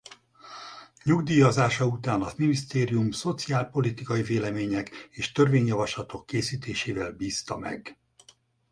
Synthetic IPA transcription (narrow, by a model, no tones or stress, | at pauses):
ɲuɡd̪iːjɒzaːʃɒut̪aːnɒminist̪eːɾijumso̞t̪siaːlpo̞lit̪ikɒiveːlɛmeːɲɛkeːʃt̪ø̞rveːɲjɒvɒʃlɒt̪o̞kːeːsiːt̪eːʃeːvɛlbiːst̪ɒmɛ̰ɡ